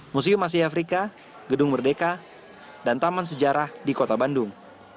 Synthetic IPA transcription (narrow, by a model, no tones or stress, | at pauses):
mus̬iʊmas̬iafɾika | ɡədʊŋbərdeka | dant̪amans̬əd͡ʒaɾahdikot̪abandʊŋ